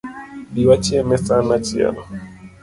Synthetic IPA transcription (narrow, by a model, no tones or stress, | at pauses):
biwat͡ʃiɛmɛsanat͡ʃia̰na̰